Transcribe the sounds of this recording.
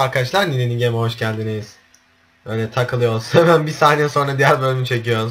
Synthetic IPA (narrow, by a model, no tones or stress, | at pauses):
aɾkaat͡ʃlˠaɾnilʲeniɟemɛɦo̞ʃcælʲd̪inejis | bøjlʲɛt̪ʰakʰɯlˠɯjo̞lˠsunhemænbisaːnɛjɛso̞nɾad̪ijæɾbø̞lʲmit͡ʃʰe̞cijo̞ɾum